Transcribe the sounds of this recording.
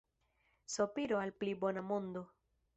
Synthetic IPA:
sopiɾoalplibo̞namondo̞

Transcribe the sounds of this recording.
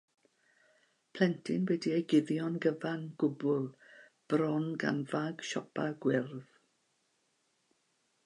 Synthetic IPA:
pʰl̥ɛntʰɪnwɛdiejɡɪðjɔnɡəvanɡ̥ʊbʊlˠ | b̥rɔnɡa̰nvaɡ̥ʃɔpʰaɡwɪrð

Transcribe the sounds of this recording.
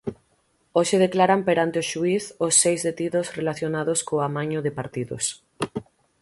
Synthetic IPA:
oʃɪð̞eklaɾampeɾant̪eoʃuiθosːejzðet̪iðʊsrelaθjonaðoskoamaɲʊðɪpaɾt̪iðʊ̰s

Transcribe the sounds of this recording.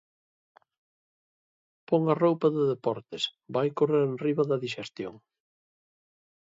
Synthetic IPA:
poŋɐrowpɐðɪðepɔɾt̪ɪsbajkoreɾenriβɐðɐðiʃest̪jo̰ŋ

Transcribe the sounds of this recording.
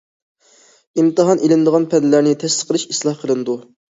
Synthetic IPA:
imt̪ɨɦɑnʔelɪnd̪əʁɑnpʰɛnd̪læɾnɪt̪ʰɛst̪ɨ̥qʰːəlˠɨʃislˠɑhqʰəlˠɨnd̪u

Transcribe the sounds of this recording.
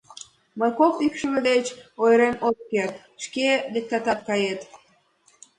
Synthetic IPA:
məjkokikʃəmed̪et͡ɕojɾemot̪̚kert̪ | ʃkelek̚t̪ɑt̪ɑt̪̚kɑjet̪

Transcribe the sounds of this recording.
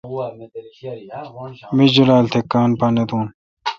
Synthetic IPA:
mid͡ʑulaːlt̪ʰekːaːnpanɐt̪ũːn

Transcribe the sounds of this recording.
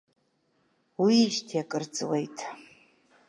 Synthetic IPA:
wiʃtʰijakʼɨrt͡sʼwejtʼʰ

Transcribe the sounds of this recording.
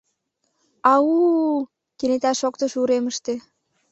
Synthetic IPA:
ɑu | kenet̪ɑʃokt̪ə̆ʃuɾeməʃt̪e

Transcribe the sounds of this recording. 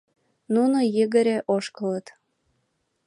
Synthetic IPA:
nunojəɣəɾeʔoʃkələt̪

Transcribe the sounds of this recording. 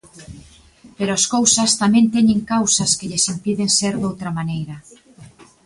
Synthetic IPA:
peɾoaskowsɐst̪amɛ̃nt̪ɛɲeŋkawsɐskeʎesimpiðeŋseɾðowt̪ɾɐmanejɾɐ

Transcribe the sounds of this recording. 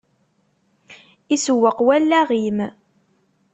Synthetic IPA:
isəwːəqwælːæʁim

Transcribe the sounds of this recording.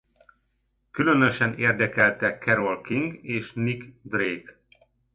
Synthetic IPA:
kylø̞nøʃɛneːrd̪ɛkɛlt̪ɛkːɛɾo̞lkiŋɡeːʃnikd̪reːk

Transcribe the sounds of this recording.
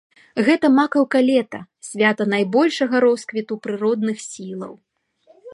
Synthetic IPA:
ɣɛt̪ɐmakɐwkalʲɛt̪ɐ̰ | sʲvʲat̪ɐnajbɔlʲʂɐɣɐɾɔskvʲit̪upɾɨɾɔd̪nɨxsʲilˠɐ̰w

